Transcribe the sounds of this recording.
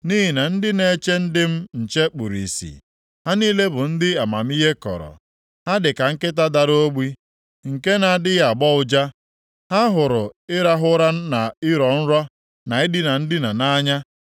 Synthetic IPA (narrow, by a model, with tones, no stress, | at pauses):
ni˦ɦɪ˨na˨n̩˦dɪ˦ne˦t͡ʃe˦n̩˦dɪ˦m̩˦n̩˨t͡ʃe˦k͡pu˨ɾḭ˨sḭ˨ | ha˦niː˦le˦bʊ˨n̩˦dɪ˦a˨ma̰˨m̩˦i˦ɦe˦kɔ̰˨ɾɔ̰˨ | ha˦dɪ˨ka˨ŋ̩˦kɪ˦t̬a˦da˨ɾo˦ɡ͡bi˦ | ŋ̩˨ke˦na˨a˨dɪ˦ja˨ɡ͡bɔ˦ʊ˦d͡ʒa˦ | ha˦ɦʊ˨ɾʊ˨ɪ˦ɾa˦ɦʊ˦ɾa˦na˨ɪ˦ɾɔ˨n̩˦ɾɔ˦ | na˨ɪ˦dɪ˦na˨n̩˦dɪ˦na˨na˦ɲa˦